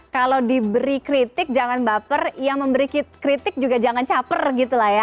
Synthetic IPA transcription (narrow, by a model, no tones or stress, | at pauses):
kalawdibəɾikɾit̪ɪk̚d͡ʒaŋanbapərjaŋməmbəɾikikɾit̪ɪk̚d͡ʒuɡad͡ʒaŋant͡ʃapərɡit̪ulahja